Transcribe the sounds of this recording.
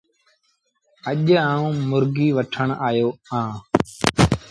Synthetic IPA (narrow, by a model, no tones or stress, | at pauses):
əʄãːũːmʊɾɡiːʋəʈʰəɳaːjoːãː